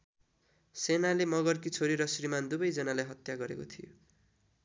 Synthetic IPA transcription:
senalemʌɡʌrkit͡sʰoɾiɾʌsrimand̪ubʌjd͡zʌnalajɦʌt̪jaɡʌɾekot̪ʰijo̰

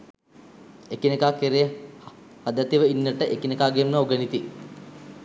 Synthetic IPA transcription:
ekinekaːkeɾej | had̪at̪iʋəinːəʈəʔekinekaːɡemːəoɡənit̪i

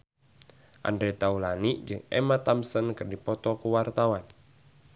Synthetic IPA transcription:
ʔa̰ndɾɛt̪aulaniʔd͡ʒɨŋɛ̰mat̪amsɔnkɨrdipɔt̪ɔkuwart̪awan

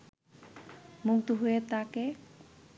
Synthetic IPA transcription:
muk̚t̪uɦojet̪ake

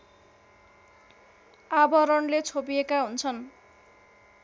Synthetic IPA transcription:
abʌɾʌnlet͡sʰop̬ijekaɦunt͡sʰʌn

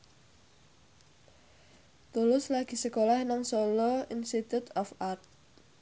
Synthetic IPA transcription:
t̪ulʊslaɡ̥i̤səkolahnaŋsɔlɔinsit̪ut̪ʰɔfart̪̚

